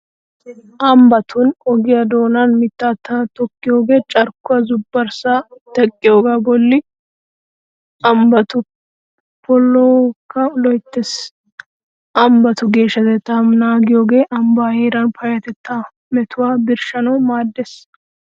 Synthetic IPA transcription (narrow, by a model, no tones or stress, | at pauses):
ʔɐmbɐt̪ʰʊnɔɡɪjɐd̪o̞ːnɐnmɪt̪ːat̪ːat̪ɔkːɪjo̞ːɡe̞ːt͡ʃʼɐɾkːʊwɐzʊbːɐɾsat̪ɛkʼːɪjoːɡaːbɔlːɪ | ʔɐmbɐt̪ʊ | pɔlːoːkːɐlɔjt̪ːes | ʔɐmbɐt̪ʊɡe̞ːʃːɐt̪ɛt̪ːamnaːɡɪjoːɡe̞ːʔɐmbaːheːɾɐnpɐjɐt̪ɛt̪ːa | mɛt̪ʊwaːbɪɾʃɐnɐwmaːd̪ːes